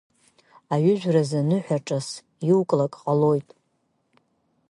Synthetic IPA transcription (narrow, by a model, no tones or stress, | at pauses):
aɥʏʒʷᶣrazanɨħʷᶣaʈ͡ʂʼas | wkʼlakʼqʼalo̞jtʼ